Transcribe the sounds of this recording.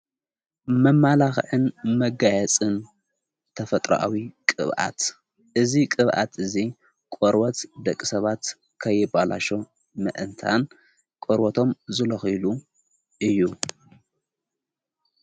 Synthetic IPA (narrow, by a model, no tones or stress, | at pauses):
mɐmːalaxʕɨnmɐɡajɛt͡sʼɨn | t̪ʰɐfɐt̪ʼɾɐ̰ʔa̰wikʼɨ̰βʔa̰t̪ | ʔɨzikʼɨβʔa̰t̪ʰɨzi | kʼoɾbɐt̪d̪ɐkʼːi̥sɐβat̪ | kʰɐjːɪbala̰ʃo | mɨʔɨnt̪ʰa̰n | kʼoɾbot̪ʰo̞mzɨlɐxɨlu | ʔɨjːu